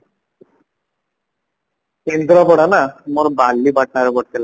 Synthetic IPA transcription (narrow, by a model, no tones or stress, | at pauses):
kend̪ɾapɔɽanamɔɾbalːibaʈ̚naɾebɔɽ̚t̪ela